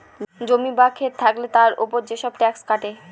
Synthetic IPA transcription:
d͡ʑomibakʰeɾt̪ʰaklet̪aɾṵpoɾd͡ʑeʃɔb̚ʈɛkskaʈe

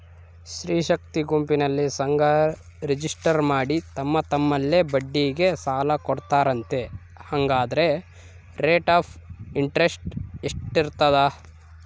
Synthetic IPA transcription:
ʃɾiːʃɐk̚t̪iɡumpinɐlːisɐŋɡʱɐ | ɾid͡ʒisʈɐɾmaːɽit̪ɐmːɐt̪ɐmːɐlːe̞bɐɖːiːɡe̞saːlɐkɔɽt̪aːɾɐnt̪e̞ | hɐŋɡaːd̪ɐɾe̞ | ɾeːʈaːpʰiɳʈɾesʈeʂʈːiɾt̪ɐd̪ɐ

